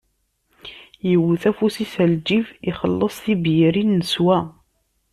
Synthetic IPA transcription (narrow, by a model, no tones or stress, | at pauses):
jəwθæfusisæld͡ʒiviχəlːəsˤθibjəɾinːəswæ